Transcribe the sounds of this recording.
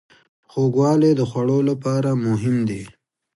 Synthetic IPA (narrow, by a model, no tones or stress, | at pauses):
xoɡwɑːled̪əxwaɽolapɑɾamʊɦɪmd̪i